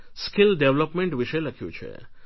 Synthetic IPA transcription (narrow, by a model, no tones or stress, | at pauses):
skɪlɖeʋləpmeɳʈʋiʃeləkʰjṵ̃t͡ʃʰḛ